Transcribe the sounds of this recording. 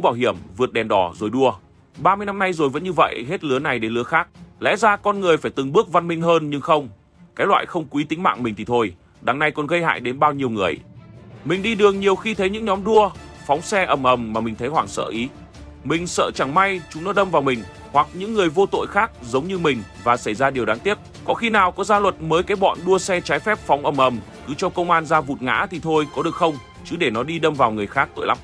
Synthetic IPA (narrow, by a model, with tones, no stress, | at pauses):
kṵ˧˥ɓaː˧˩wɦi˧˩əmvɨ˨˩ət̚ɗɛ˨˩mɗɔ˨˩zo˨˩jɗu˧ə | ɓaː˧mɨ˧əjna˧mna˧jzo˨˩jvə̰˧˥nɲɨ˧və̰˧˨jɦe˦˥t̚lɨ˨˦əna˨˩jɗe˧˩lɨ˨˦əxaː˦˥k̚lɛ̰˧˥zaː˧kɔ˧nŋɨ˨˩əjfaː˧˩jt̪ɨ˨˩ŋɓɨ˦˥ək̚va˧nmï˧ŋ̟ɦəː˧nɲɨ˧ŋxə˧wŋ͡m | kaː˨˦˥jlwa̰ː˧˨jxə˧wŋ͡mkwi˨˦t̪ï˨˦ŋ̟ma̰ː˧˨ŋmï˨˩ŋ̟t̪ʰi˨˩t̪ʰo˧j | ɗa˨˦ŋna˧jkɔ˨˩nɣə˧jha̰ː˧˨jɗe˨˦nɓaː˧wɲi˧əwŋɨ˨˩əjmï˨˩ŋ̟ɗi˧ɗɨ˨˩əŋɲi˨˩əwxi˧t̪ʰə˨˦jɲɨ̰˧˥ŋɲɔ˨˦mɗu˧ə | fa˨˦wŋ͡msɛ˧ʔə˨˩mʔə˨˩mːaː˨˩mï˨˩ŋ̟t̪ʰə˨˦jhwaː˧˩ŋsə̰ː˧˨ʔi˨˦ | mï˨˩ŋ̟sə̰ː˧˨t͡ɕa˧˩ŋma˧jt͡ɕʊ˨˦ŋ͡mnɔ˨˦ɗə˧mvaː˨˩wmï˨˩ŋ̟ | hwa˨˩k̚ɲɨ̰˧˥ŋːɨ˨˩əjvo˧t̪o̰˧˨jxaː˦˥k̚zə˨˦wŋ͡mɲɨ˧mï˨˩ŋ̟vaː˨˩sa˧˩jzaː˧ɗi˨˩əwɗaː˨˦ŋt̪i˦˥ət̚ | kɔ̰˧˥nxi˧naː˨˩wkɔ˨˦zaː˧lwə˨˩t̚məː˨˦jkaː˨˦jɓɔ̰˧˨nɗu˧əsɛ˧t͡ɕaː˨˦jfɛ˦˥p̚fa˨˦wŋ͡mʔə˨˩mʔə˨˩m | kɨ˨˦t͡ɕɔ˧ŋ͡mkə˧wŋ͡mʔaː˧nzaː˧vṵ˨˩t̚ŋa̰ː˧˥t̪ʰi˨˩t̪ʰo˧jkɔ˨˦ɗɨ˨˩ək̚xə˧wŋ͡m | t͡ɕɨ˨˦ɗe˧˩nɔ˨˦ɗi˧ɗə˧mvaː˨˩wŋɨ˨˩əjxaː˦˥k̚t̪o̰˧˨jla̰˨˦˥m